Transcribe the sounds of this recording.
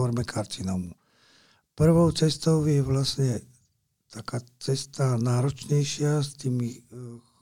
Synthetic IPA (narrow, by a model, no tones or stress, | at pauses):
ɔɾmɛkʰaɾt͡sinɔmu | pr̩ʋɔʊt͡sɛst̪ɔʊjɛʋlasɲɛ | t̪ʰakaːt͡sɛst̪anaːɾɔt͡ʃɲɛjʃɪast̪iːmi